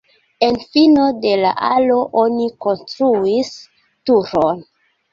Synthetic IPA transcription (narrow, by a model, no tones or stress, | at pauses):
e̞nfino̞de̞la̰ʔa̰lo̞ʔo̞niko̞nstɾuis | tuɾon